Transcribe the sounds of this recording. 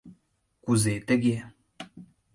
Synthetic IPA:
kuzet̪ɛɡɛ

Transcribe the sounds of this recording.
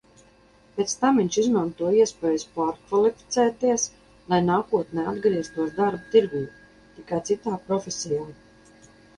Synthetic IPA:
pʲet̪st̪amviɲt͡ʃizmant̪uɔiɛspɛːjuspaːɾkvalˠifi̥t̪sɛːt̪iɛs | lˠajnaːkuɔt̪nɛad̪ɡɾiɛst̪uɔsd̪aɾbut̪iɾɡuː | t̪ikajt̪sit̪aːpɾɔfʲesʲijaː

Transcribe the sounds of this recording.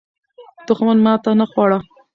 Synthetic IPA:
d̪̥ʊxmanmɑt̪anaxwɑɽa

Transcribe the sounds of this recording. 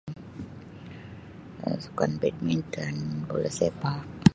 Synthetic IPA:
su̥ka̰nbɛt̪̚mint̪ənbo̰lɛsepak̚

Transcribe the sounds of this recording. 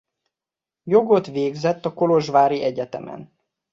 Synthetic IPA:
jo̞ɡo̞t̪ʋeːɡzɛt̪ːɒko̞lo̞ʒvaːɾiʔɛɟɛt̪ɛ̰mɛ̰n

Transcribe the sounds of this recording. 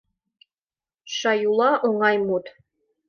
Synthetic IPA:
ʃɑjulˠɑʔoŋɑjmut̪

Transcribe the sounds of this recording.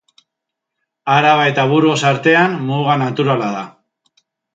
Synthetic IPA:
aɾaβajt̪aβuɾɣo̞saɾt̪e̞anmuɣanat̪uɾalaða

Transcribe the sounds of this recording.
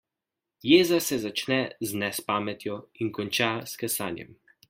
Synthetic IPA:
jeːzasɛzat͡ʃnɛznɛspaːmɛt̪jɔiŋkɔnt͡ʃaskɛsaːnjɛ̰m

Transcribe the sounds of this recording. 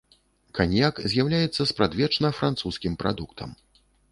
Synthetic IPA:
kanʲjakzʲjawlʲajɛt̪sːɐspɾad̪vʲɛt͡ʂnɐfɾant̪suskʲimpɾʔa̰d̪ukt̪ʰɐ̰m

